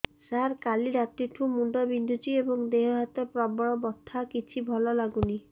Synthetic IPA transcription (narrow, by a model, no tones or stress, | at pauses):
saɾkaliɾat̪iʈʰũmuɳɖɔbind̪ʱud͡ʒiebɔŋd̪eɦɔɦat̪ɔpɾɔbɔɭɔbɔt̪ʰːakit͡ʃʰibʱɔlɔlaɡuni